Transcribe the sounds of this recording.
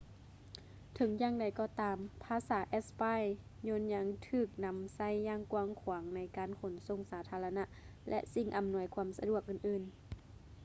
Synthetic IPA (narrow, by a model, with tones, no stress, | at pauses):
t̪ʰɤ˨˦ŋjaː˧˩ŋda˨˩jkɔː˧t̪aː˨˦mpʰaː˧˦saː˩˦ʔɛ˧spaː˧˥˨jɲoː˧˥˨nɲa˧˥ŋt̪ʰɯː˧˩k̚na˧msa˧˥˨jːaː˧˩ŋkwaː˧˦ŋkʰwːŋna˧˥jkaː˨nkʰo˨˩˦nso˧˩ŋsaː˨˦t̪ʰaː˧la˧na˧˥ʔ | lʔɛ̰˧ʔsi˧˩ŋʔa˨˦mnu˧˩əjkʰu˧˥msa̰˧du˧˩ək̚ʔɯː˨˩nʔɯː˨˩n